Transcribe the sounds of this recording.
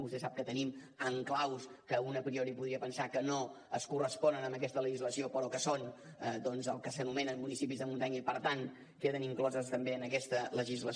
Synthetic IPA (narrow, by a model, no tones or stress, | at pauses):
bust̪esap̚kət̪ənim | əŋklawskəunəpɾioɾipuðɾiəpənsakəno | əskurəspɔnənəmbək̬ɛst̪ələʒizləsiopəɾɔkəsonəd̪ɔnzəlˠkəsənumɛnənmunisipizðəmunt̪aɲəipəɾt̪an | keðəniŋklɔzəst̪əmbeənəkɛst̪ələʒizlə